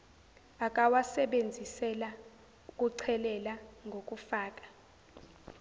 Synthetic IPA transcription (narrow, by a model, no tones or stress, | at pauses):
akʼawasɛɓend͡zʱisɛla | ukʼuǀʰɛlɛlaŋɡʱokʼufaːk̬ʼḁ